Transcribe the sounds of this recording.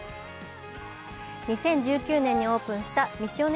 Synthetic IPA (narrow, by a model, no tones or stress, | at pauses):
ɲ̟isẽ̞ɲ̟d͡ʑɨːkʲɨːnẽ̞ɲ̟ːio̞ːpɯ̟̃ɰ̃ɕi̥t̪amʲiɕio̞n